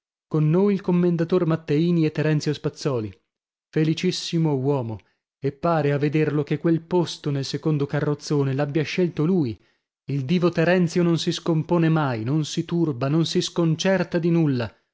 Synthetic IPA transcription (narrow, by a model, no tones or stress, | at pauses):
konːoːjilkomːend̪at̪ormat̪ːeiːniet̪ːɛɾɛnt̪jospat̪sːɔːli | felit͡ʃisːimowɔːmo | epːaːɾeavːed̪erlokekːwelpost̪onelsekond̪okarːot̪sːoːnelabjaʃːelt̪oluːi | ild̪iːvot̪ɛɾɛnt̪sjononsiskompoːnemajnonsit̪urbanonsiskont͡ʃɛrt̪ad̪inulːa